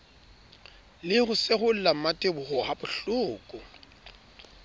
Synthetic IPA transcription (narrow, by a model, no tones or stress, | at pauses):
lɪɣʊseɣʊl̩lam̩matʼebʊχɔhabʊɬʊːkʼʊ